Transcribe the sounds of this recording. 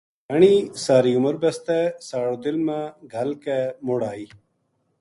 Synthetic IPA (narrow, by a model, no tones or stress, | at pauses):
ɐɳ̃iːsaːɾiːʊməɾbɐst̪ɛsaːɽoːd̪ɪlmãːɡʱɐlkɛmoɽaːiː